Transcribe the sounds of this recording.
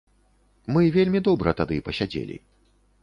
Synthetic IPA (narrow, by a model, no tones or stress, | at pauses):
mɨvʲelʲmʲid̪ɔbɾɐt̪ad̪ɨpɐsʲad͡zʲḛlʲḭ